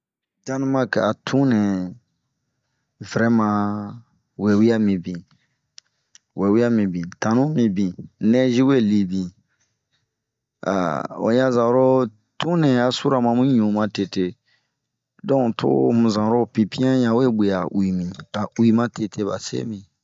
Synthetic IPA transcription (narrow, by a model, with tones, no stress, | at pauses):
da˦nũ˦ma˦ka˨tʰũ˦nɛ̃˨ | vɾɛ˦mã˧ | we˨wi˦a˦mĩ˨bĩ˨ | wʔe˨wi˦a˦mĩ˨bĩ˨tã˨nũ˦mĩ˨bĩ˨nɛ̃˦ʒi˦we˦˨li˨bĩ˨ | a̰˨o̰˨jã˦zã˨˦ɾo˦ | tũ˦nɛ̃˨a˨su˦ɾa˨mã˧mĩ˦ɲũ˨mã˧te˨te˨ | dɔ̃˦˨tʰo̰˦mũ˨zã˨ɾo˦˨pĩ˨pĩ˦ã˦jã˨we˦be˨a˨wi˨mĩ˨ka˨wi˨mã˦tʰe˨tʰe˦ba˨sḛ˦mĩ˨